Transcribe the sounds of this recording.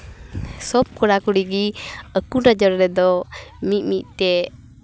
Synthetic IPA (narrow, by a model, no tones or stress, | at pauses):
sɔb̚kɔɽakuɽiɡiəkunəd͡ʒɔɾɾɛd̪ɔmit̪̚mit̪̚t̪ɛ